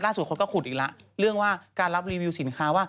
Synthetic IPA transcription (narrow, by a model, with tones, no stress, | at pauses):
laː˥˩s̚kʰo˧nkɔː˥˩kʰu˨˩t̪̚ʔ̚ːla˦˥ʔɾɯ˥˩əŋwaː˥˩kaː˧nla˦˥p̚ɾiː˧wi˧wsi˨˩˦nkʰaː˦˥waː˥˩